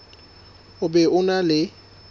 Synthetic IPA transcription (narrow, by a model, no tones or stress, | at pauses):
ʊbɛʊnalɪ